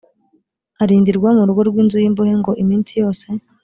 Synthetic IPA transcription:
aɾiːndiɾɡwamuɾuɡo̞ɾɡwiːnzujiːmbohe̞ŋɡo̞ʔimiːnsijo̞ːse̞

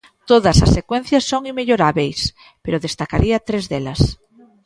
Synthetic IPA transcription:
t̪oðasasːekwen̟θjasːoŋimeʎoɾaβejs | peɾoðest̪akaɾiat̪ɾezðelɐs

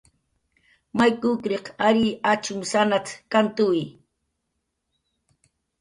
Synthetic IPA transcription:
majkʊkɾeqaɾiat͡ʃʊmsanat͡skant̪ʊj

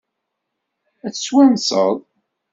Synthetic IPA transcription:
æθə̥swænsə̰ðˤ

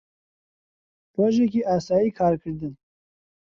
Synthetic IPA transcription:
roːʒek̬iːʔɑːsɑːjiːkʰɑːɾkʰɨɾd̪ɨn

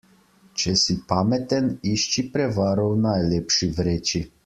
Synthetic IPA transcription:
t͡ʃɛsipaːmɛt̪ɛniʃt͡ʃipɾɛʋaːɾɔwnajleːpʃiʋɾeːt͡ʃi

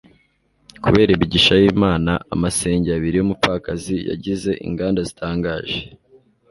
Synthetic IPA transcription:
kuβe̞ːɾaiβiɟiʃajiːmaːnaamase̞ːɲɟeaβiɾijumupfakazija̰ɟize̞ʔḭŋɡaːndazitʰaːŋɡaːʒe

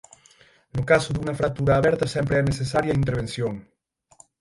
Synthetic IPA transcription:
nʊkasʊðuŋɐfɾak̚t̪uɾaːβɛɾt̪ɐsɛmpɾeɛnesesaɾjaint̪̬eɾβ̞ensjoŋ

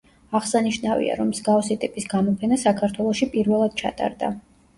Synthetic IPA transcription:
aʁsaniʃnavḭa̰ɾɔmːzɡafsit̪ʼipʼisɡamɔpʰɛnasakʰaɾt̪ʰwɛlˠɔʃipʼiɾvɛlˠad̪̥̚t͡ʃʰa̰t̪ʼa̰ɾd̪a̰

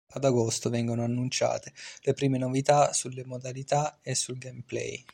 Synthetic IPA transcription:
ad̪aɡost̪ovɛŋɡonoanːunt͡ʃa̰ːt̪elepɾiːmenovit̪asulːemod̪alit̪aesːulɡemplɛ̰j

